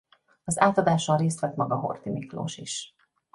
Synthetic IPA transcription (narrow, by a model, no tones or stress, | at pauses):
ɒzaːt̪ɒd̪aːʃɒnreːst̪ʋɛt̪mɒɡɒɦo̞̰rt̪imiklo̰ːʃiʃ